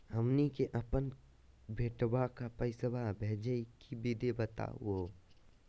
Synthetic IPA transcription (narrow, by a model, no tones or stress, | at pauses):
hɐmnikeʔəpən | bʱeːʈwakapəɪsəbabʱeːd͡ʒəikibid̪ebət̪a̰wo